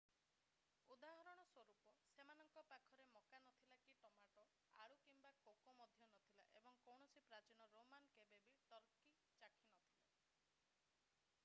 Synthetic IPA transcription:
ud̪aɦɔɾɔɽ̃ɔswɔɾupɔsemanɔŋkɔpakʰɔɾemɔkanɔt̪ʰilakiʈɔmaʈɔ | a̰ɽukimbakokɔmɔd̪ʱjɔnɔt̪ʰilaʔebɔŋkɔwɳ̃ɔsipɾat͡ʃiñɔɾomankebebiʈɔɾki | t͡ʃakʰinɔt̪ʰila

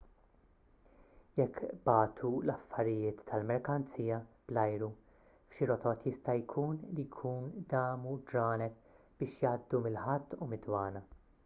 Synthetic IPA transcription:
jɛkːb̥ɐːt̪ʰulɐfːɐɾɪjɪːt̪ʰːɐlmɛɾkɐnt͡siːjɐb̥lɐjɾu | fʃiɾɔt̪ɔt̪jɪst̪ɐjkʰuːnlijkʰuːnd̪ɐːmud͡ʒɾɐːnɛt̪ | b̥ɪːʃjɐːd̪ːumɪlħɐt̪ːumɪd̪wɐːnɐ

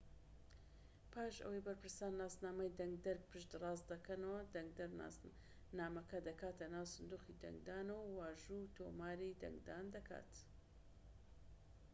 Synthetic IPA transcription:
pʰaːʃɐ̰wɐjbɐɾpɨɾsaːnlaːsnaːmɐjd̪ɐŋɡ̚d̪ɐɾpʰɨʃd̪rˤɑːsd̪ɐkɐnɐwɐd̪ɐŋɡ̚d̪ɐɾ | naːmɐkɐd̪ɐkaːt̪ɐnaːwsɨnd̪uːxid̪ɐ̰ŋɡd̪aːnɐwwaːʒut̪ʰo̰maːɾid̪ɐ̰ŋɡd̪aːnd̪ɐkʰa̰ːt̪

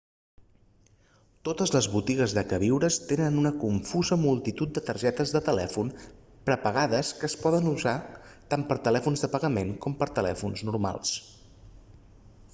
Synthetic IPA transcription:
t̪ot̪əzləzβut̪iɣ̞əzðəkəβiwɾəst̪enənunəkuɱfuzəmulˠt̪it̪ut̪̚d̪ət̪əɾʒɛt̪əzðət̪əlɛ̰fun | pɾəpəɣ̞aðəskəːspɔðənuza | t̪ampəɾt̪əlɛfunzðəpəɣəmenkɔmpəɾt̪əlɛ̰funznuɾma̰lˠs

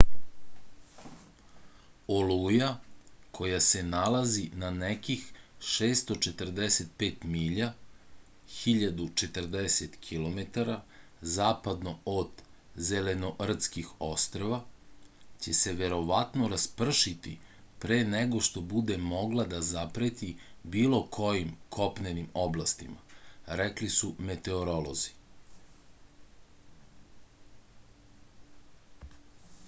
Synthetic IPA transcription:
olujakʰo̞jase̞nalazinanekixʃeːst̪o̞t͡ʃet̪r̩d̪eset̪̚peːt̪miːʎa | xiʎad̪ut͡ʃe̞t̪rd̪eset̪kʰilo̞met̪aɾa | zaːpad̪no̞od̪ | zeleno̞ʔr̩t̪skixo̞st̪ɾoʋa | t͡ɕe̞se̞ʋe̞ɾo̞ʋat̪no̞ɾaspr̩ʃit̪ḭ | pɾeːneɡo̞ʃt̪o̞bud̪e̞mo̞ɡlˠad̪azapɾet̪ibiːlˠo̞kʰo̞jimkʰo̞pnenimoblˠast̪ima̰ɾeklisume̞t̪e̞oɾolˠo̞zi

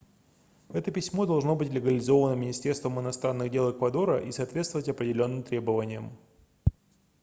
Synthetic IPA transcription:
ɛt̪əpʲɪsʲmo̞d̪ɐlˠʐno̞bɨtʲlʲɪɡəlʲɪzo̞vənəmʲɪnʲɪsʲtʲe̞rst̪vəmɪnɐst̪ɾanːɨɣdʲe̞lˠɪkvɐd̪o̞ɾəʔisɐːt̪vʲest̪vəvətʲɐpɾʲɪdʲɪlʲo̞nːɨmt̪ɾʲe̞bəvənʲɪjəm

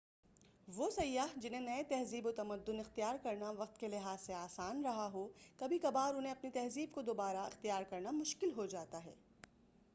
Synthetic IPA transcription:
ʋosɐjːaːɦd͡ʒɪn̤ẽnɐet̪ɛɦziːbot̪ɐmɐd̪ːʊnɪxt̪ijaːɾkɐɾnaʋɐq̚t̪kelɪɦaːsːeaːsaːnɾɐɦaɦokɐbʱikɐbaːɾʊnɦẽɐpnit̪ɛɦziːb̚kod̪oːbaːɾaɪ̰xt̪ijaːɾkɐɾnamʊʃkɪlɦod͡ʒaːt̪aɦɛ̰ː

